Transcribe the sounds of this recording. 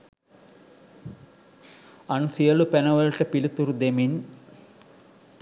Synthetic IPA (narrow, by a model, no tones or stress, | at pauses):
ɐnsijɐlupenɐʋɐlʈɐpilut̪uɾud̪emin